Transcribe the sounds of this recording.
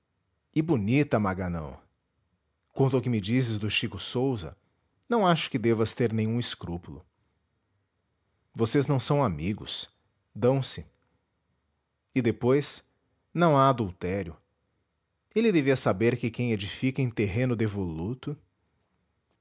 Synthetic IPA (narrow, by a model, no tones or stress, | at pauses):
ɪbunit̪ɐmaɡanɐ̰̃w̃ | kwõt̪ʊʊkɪmɪd͡ʒisɪzd̪ʊʃikʊsowzɐ̰ | nɐ̃w̃aʃʊ̥kɪd̪evɐst̪eɾnẽj̃ũɪskɾupulʊ̰ | voseznɐ̃w̃sɐ̃w̃amiɡʊ̰s | d̪ɐ̃w̃sɪ | ɪd̪epojs | nɐ̃w̃aad̪uwt̪ɛɾjʊ | elɪd̪eviɐsabeɾkɪkẽj̃ed͡ʒifikɐẽj̃t̪eɦẽnʊd̪evolut̪ʊ